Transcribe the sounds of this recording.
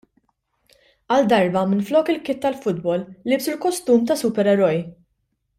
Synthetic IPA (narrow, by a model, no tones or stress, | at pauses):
ɐld̪ɐɾbɐmɪnflɔːkɪlkɪt̪ːɐlfʊd̪̚bɔlːɪbsʊlkɔst̪uːmt̪ɐsʊpɛɾɛɾɔj